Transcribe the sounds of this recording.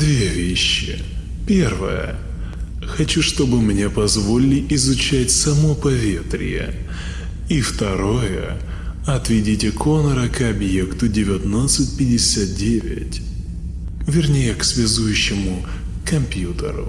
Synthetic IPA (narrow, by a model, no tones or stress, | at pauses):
d̪vʲevʲeɕːɪ̰ | pʲe̞rvə̰jə̰ | xɐt͡ɕuʂt̪o̞bɨmnʲe̞pɐzvolʲɪlʲɪʔɪzʊt͡ɕætʲsɐmopɐvʲe̞t̪ɾʲɪ̰jə̰ | ift̪ɐɾo̞jə̰ | ɐt̪vʲɪdʲitʲɪkʰo̞nəɾəkɐbjekt̪ʊdʲɪvʲɐt̪nat̪sɨt̚ʲpʲɪdʲɪsʲat̪̚dʲevʲɪ̰tʲ | vʲɪrnʲejəksvʲɪzujʉɕːɪmʊ | kɐmpʲjut̪ə̰ɾʊ̰